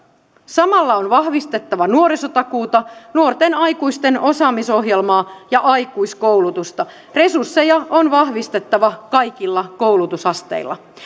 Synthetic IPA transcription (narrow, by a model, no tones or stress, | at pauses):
sɑmɑlːɑonʋɑhʋist̪e̞t̪ːɑʋɑnuoɾisot̪ɑkuːt̪ɑnuo̞rt̪enɑjkuist̪e̞no̞sɑːmiso̞ɦjelmɑːjɑʔɑjkuiskowlut̪ust̪ɑ | re̞sursːe̞jɑonʋɑhʋist̪e̞t̪ːɑʋɑkɑjkilːɑkowlut̪usɑst̪e̞̰ilːɑ̰